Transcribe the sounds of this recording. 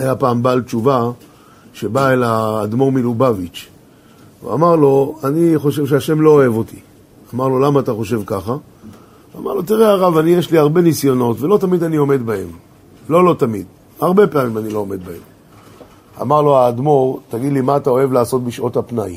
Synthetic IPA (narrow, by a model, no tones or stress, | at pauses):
ajapaːmbalt͡ʃuva | ʃe̞baelaːdmo̞ʁmilubavit͡ʃ | vḛa̰maʁlo̞aniχo̞ʃe̞vʃ̬eaʃe̞mlo̞ːe̞vo̞t̪i̥ | amaʁlo̞lamaːt̪aχo̞ʃe̞vkaχa | ama̰ʁlo̞t̪iʁeaʁavanijeʃliaʁbe̞nisjo̞no̞tve̞lo̞t̪amid̪anio̞me̞d̪bae̞̰m | lo̞lo̞t̪amḭd̪ | aʁbe̞peamimanilo̞ome̞d̪̚baem | a̰maʁlo̞aːd̪mo̞ʁt̪aɡid̪limaːt̪ao̞e̞vlaːso̞t̪̚biʃʔo̞thapnaj